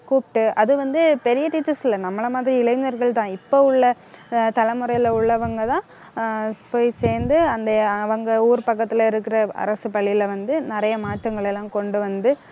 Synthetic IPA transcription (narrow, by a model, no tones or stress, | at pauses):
kuːpʈːɯʔɐðɯʋɐnd̪ɯpɛɾɪjɐʈɪt̪ːɪsɪlːɐnɐmːɐɭɐmaːðɪɾiɪɭɐɪɲɐɾɣɐɭt̪ãːɪpːoːʊɭːɐ | t̪ɐlɐmʊɾɐɪlɐʊɭːɐʋɐŋɡɐt̪ãː | poːjseːɾnd̪ɯɐnd̪ɐɐʋɐŋɡɐuːɾpɐkːɐt̪ːɪlɐɪɾɯkːɪɾɐɐ̰ɾɐsɯpɐɭːɪlʋɐnd̪ɯnɪɾɐjɐmaːʈːɾɐŋɡɐɭɛlːãːkɔɳɖɯʋɐnd̪ɯ